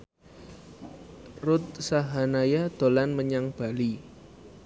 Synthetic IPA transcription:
rʊt̪̚saɦanajad̪̥o̤lanməɲaŋb̥a̤li

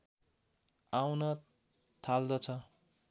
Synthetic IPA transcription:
awnʌ | t̪ʰald̪ʌt͡sʰʌ

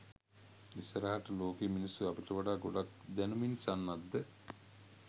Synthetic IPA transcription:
isəɾaɦaʈəloːkeminisuapiʈəʋaɖaːɡoɖak̚d̪ænuminsanːad̪ːə

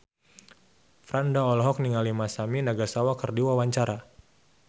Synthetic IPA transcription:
fɾandaɔlɦɔk̚niŋalimasaminaɡasawakərdiwawaɲt͡ʃaɾa

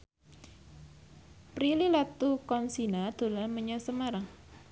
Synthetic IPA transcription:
pɾililat̪ukɔnsinad̪̥o̤lanməɲɔsəmaɾaŋ

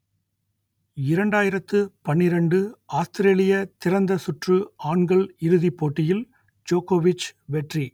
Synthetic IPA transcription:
ɪɾɐɳɖaːjɪɾɐt̪ːɯpɐɳːɪɾɐɳɖɯaːst̪ɪɾeːlɪjɐt̪ɪɾɐnd̪ɐsʊʈrɯaːɳɡɐɭɪɾɯðipːoːʈːɪjɪl | d͡ʒoːkoːʋɪt͡ʃːʋɛʈri

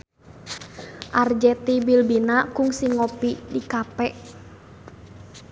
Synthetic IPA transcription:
ʔard͡ʒɛt̪ibilbinakuŋsiŋɔpidikapɛʔ

